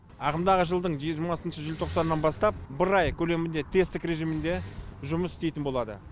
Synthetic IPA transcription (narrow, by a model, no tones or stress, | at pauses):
ɑqəmd̪ɑʁəʒəlˠd̪əɴʒiɾmɑsənʃəʒɪlt̪ʰo̞qsɑnːɑnbɑst̪ɑp̚bɪɾɑjkʲʰɵle̞mɪnd̪e̞t̪ʰe̞st̪ɪkɾe̞ʒijmɪnd̪e̞ʒʊməsɪ̥st̪e̞jt̪ɪnbo̞lˠɑd̪ə̰